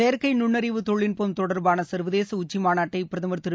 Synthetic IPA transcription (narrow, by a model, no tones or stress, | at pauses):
ejɐɾkɐɪnʊɳːɐɾɪʋɯt̪ɔɭːɪnpoːmt̪ɔɽɐɾbaːnɐsɐɾʋɐðeːsɐʊt͡ʃːimaːnaːʈːɐɪpɪɾɐðɐmɐɾt̪ɪɾɯ